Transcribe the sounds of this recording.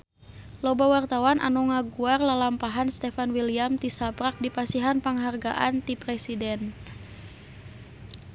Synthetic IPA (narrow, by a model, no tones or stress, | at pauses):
lɔbawart̪awanʔa̰nɔŋaɡuarlalampaɦanst̪ɛfanwiliamt̪isabɾak̚dipasiɦanpəŋɦarɡa̰ʔant̪ipɾɛsidɛn